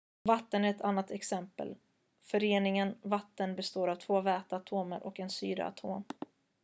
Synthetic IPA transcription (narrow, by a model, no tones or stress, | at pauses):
vat̪ːənæɾɛt̪ʰanːat̪ɛksɛmpə̰l | fœɾeːnɪŋənvat̪ːənbɛst̪oːɾavt̪ʰvoːvɛːt̪aːt̪ʰoːməɾʔɔkɛnsy̰ːɾə̰a̰t̪ʰo̰ːm